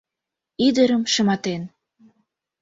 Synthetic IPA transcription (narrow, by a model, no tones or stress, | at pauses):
id̪əɾəmʃəmɑt̪en